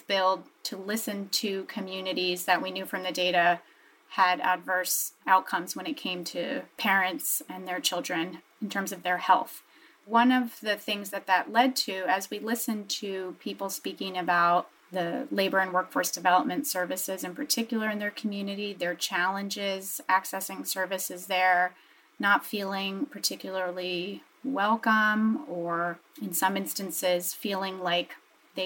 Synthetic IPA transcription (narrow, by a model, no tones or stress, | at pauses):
b̥ɪlˠd̚tʰɨlɪsɨ̃ntʰɨkʰɨmjʉnɨɾizðɨʔ̚winjʉfɹʌ̃mðɨdeɪɾɨ | ɨɾɨ̰dvɜ˞saʊt̚kʰʌ̃mzwə̃ñɨt̚kʰẽɪ̃mtʰɨ̰pʰɛɹɨ̃ntsɨ̃nðə˞t͡ʃʰɪlˠdɹɨ̃n | ɨ̃ntʰɜ̃˞mzʌvðə˞hɛ̰lˠθ | wʌ̃nʌvðɨθɪ̃ŋzðɨt̪̚ðɨtˡlɛd̚tʰʉɨzwilɪsɨ̃ntʰɨpʰipl̩ˠspikɪ̃ŋɨbaʊt̪̚ | ðɨleɪbə˞ɨ̃nwɜ˞kfɔɹsd̥ɨvɛlˠəp̚mɨ̃ntsɜ˞vɨsɪzɨ̃npʰə˞tʰɪkjl̩ˠə˞ɨ̃nðə˞kʰm̩jʉnɨɾiðə˞t͡ʃʰælˠə̃nd͡ʒɪzæksɛsɪ̃ŋsɜ˞vɨsɨzðə˞ | nətfilˠɪ̃ŋpʰə˞tʰɪkjl̩ˠə˞lˠi | wɛlˠkə̃mə˞ɨ̃nsʌ̃mɪ̃nstɨ̃nsɪz̥filˠɪ̃ŋlaɪk | ðeɪ